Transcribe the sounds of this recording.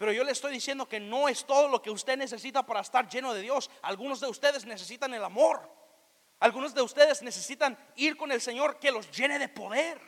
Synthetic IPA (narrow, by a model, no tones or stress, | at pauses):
pe̞ɾo̞ʝo̞lesest̪o̞jðisje̞nd̪o̞ke̞no̞e̞st̪o̞ð̞o̞lo̞ke̞ust̪ene̞s̬e̞sit̪apaɾaest̪aɾʝe̞no̞ðe̞ðjo̞salɣuno̞zðe̞ust̪eðezne̞s̬e̞sit̪ane̞lamo̞ɾ | alɣunozðe̞ust̪e̞ðe̞zne̞se̞sit̪an | iɾko̞ne̞lse̞ɲo̞ɾke̞lo̞zʝe̞ne̞ðe̞po̞ðe̞ɾ